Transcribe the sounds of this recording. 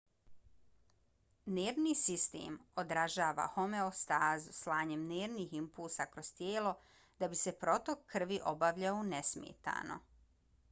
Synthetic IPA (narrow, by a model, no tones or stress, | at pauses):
neːɾnisist̪ḛːmod̪ɾaʒaːʋa̰xome̞ost̪aːzuslaːɲemneːɾniːximpulsakɾo̞st̪jeːlo̞ | d̪abise̞pɾo̞t̪o̞kːr̩ʋiʔo̞baʋʎaunesmjḛːt̪a̰ːno̞̰